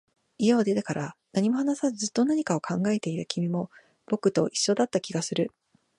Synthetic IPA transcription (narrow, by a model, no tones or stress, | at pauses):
ijaod̪e̞t̪ekaɾanaɲ̟imo̞hanasazɨzɨt̪ːo̞naɲ̟ikao̞kʰãŋɡae̞t̪e̞iɾɯkʲʰimʲimo̞ | b̥o̞kɯ̟t̪o̞ʔiɕːo̞d̪at̪ːakʲiɡasɨɾɯ̟